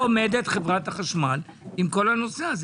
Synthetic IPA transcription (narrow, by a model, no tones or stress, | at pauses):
omed̪e̞t̪χevʁathaχaʃmal | imko̞lhano̞seaz